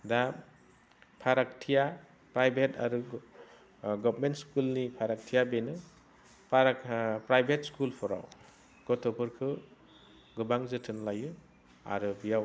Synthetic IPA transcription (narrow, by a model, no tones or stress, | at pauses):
da | pʰaɾaktʰija | pɾajbʱetʰa̰ɾu | ɡɔbmentskulnipʰaɾak̚tʰijabenɯ | pʰɾpɾajbʱet̚skulpʰɔɾa̰w | ɡ̥ɔtʰɔbʰɯɾkʰɯ | ɡɯbaŋzɯtʰɯnlajɯ | a̰ɾɯbijaw